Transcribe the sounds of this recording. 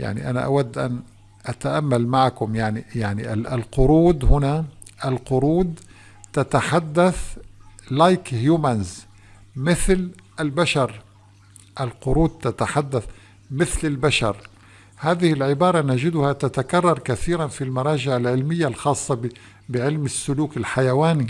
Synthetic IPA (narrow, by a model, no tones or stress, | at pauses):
ja̰ʕnḭʔana̰ʔa̰wad̪ːʔa̰n | ʔat̪aʔamːalmaʕakʊmjaʕnijaʕniʔaalqʊɾuːd̪hʊnaʔalqʊɾuːd̪ | t̪at̪aħad̪ːaθ | lajkhjuːmanz | mɪθlʔalbaʃɑɾˤ | ʔalqʊɾuːd̪̚t̪at̪aħad̪ːaθ | mɪθlɪlbaʃɑ̰ɾˤ | haːðɪhɪlʕɪbɑːɾˤɑnad͡ʒɪd̪ʊhat̪at̪akɑrˤːɑɾˤkaθiːɾanfilmɑɾˤɑːd͡ʒɪʕalʕɪlmɪjːalxɑːsˤːɑb | bɪʕɪlmɪsːʊluːkɪlħajawaːni